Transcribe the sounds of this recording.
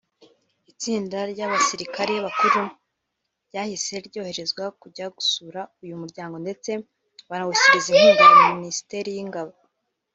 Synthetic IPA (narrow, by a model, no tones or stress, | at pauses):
it͡siːndaɾɟaβasiɾikaɾijaβakuɾu | ɟaːhise̞ɾɟo̞ːhe̞ɾe̞zɡwakuɟaɡusuːɾaujumuɾɟaːŋɡo̞nde̞t͡se̞ | βaɾawusiɾizinhuːniɾaminisi̥te̞ɾijiŋɡaβo